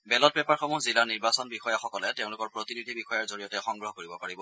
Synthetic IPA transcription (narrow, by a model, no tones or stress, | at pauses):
bɛlɔt̚pɛpaɹxɔmuzilaɹniɹbasɔnbixɔjaxɔkɔlɛteʊ̃lʊkɔɹpɹotinidʱibixɔjaɹzoɹijɔtɛxɔŋɡɹɔɦɔkoɹibɔpaɹibɔ